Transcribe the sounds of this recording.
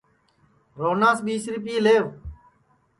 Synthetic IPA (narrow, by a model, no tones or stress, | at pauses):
ɾoːnãːsɓiːsɾipiːleːʋ